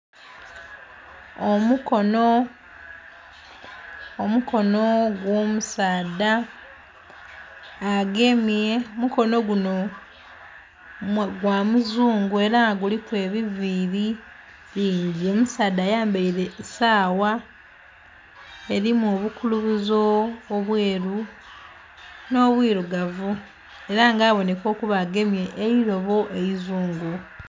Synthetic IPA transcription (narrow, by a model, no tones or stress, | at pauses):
omukono | omuko̞noɡwo̞ːmusaːd̪a | ɡemiemuko̞no̞ɡuno | mɡwamuzuːŋɡue̞ɾaɡulipwe̞ːβiviːɾi | βiːɲɟio̞musaːdaːjaːmbeiɾe̞saːwa | e̞ɾimoːβukuluβuzoːβweːɾu | no̞ːβwiːɾuɡavu | e̞ɾaŋɡaːβo̞ne̞ko̞ːkuβaɡe̞mje̞ʔːiɾo̞βo̞ʔeizuːŋɡu